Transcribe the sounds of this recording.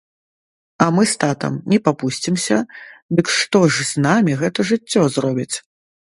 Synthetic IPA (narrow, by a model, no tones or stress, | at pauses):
ɐmɨst̪at̪ɐ̰mnʲɛpapusʲt͡sʲimsʲɐd̪ɨkʂt̪ɔʐznamʲiɣɛt̪ɐʐɨt͡sʲːɔzrɔbʲit͡sʲ